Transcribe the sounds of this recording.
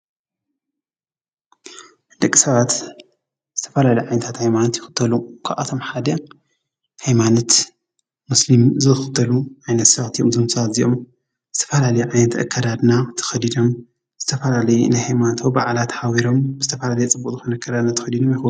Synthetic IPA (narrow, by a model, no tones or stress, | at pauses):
d̪ɐkʼːisɐβat̪ | z̥ɨt̪ʰɐ̥fɐlalɐjʕajnɐt̪ʰat̪hajmanot̪jɪxɨ̥t̪ʰːɐlukʰaβʔa̰t̪ʰo̞mħad̪ɐ | hajmanot̪ | muslimzɨxɨt̪ʰːɐluʕajnɐt̪sɐβt̪ʰiʔo̰mzɨmsɐβat̪ziʔom | zɨt̪ʰɐ̥fɐlalɐjuʕajnɐt̪ʔɐ̰kʰːɐd̪ad̪nat̪ʰɐ̥xɐd̪id̪o̞m | z̥ɨt̪ʰɐfɐlalɐjunajhajmant̪ʰowbaʕlat̪ħawiɾo̞mbɨz̥ɨt̪ʰɐfɐlalɐjɛt͡sʼɨbːukʼzɨxonɐɐkʰːɐd̪ad̪nat̪ʰɐxɐd̪id̪o̞mjɪx